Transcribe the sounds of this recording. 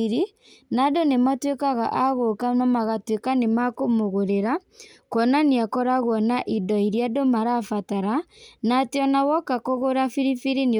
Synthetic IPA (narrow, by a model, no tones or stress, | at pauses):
ɾi | nadonematwekaɣa̰ʔaɣokamamaɣatwekanemakomoɣoɾeɾa | kwɔnaneakɔɾaɣwɔnaʔidɔiɾjadomaɾafataɾanateɔnawɔkakoɣoɾafiɾifiɾini